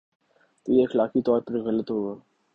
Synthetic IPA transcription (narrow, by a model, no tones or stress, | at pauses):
t̪ojexɐlaːkit̪ɔːɾpəɾɣɐlət̪ɦoːɡaː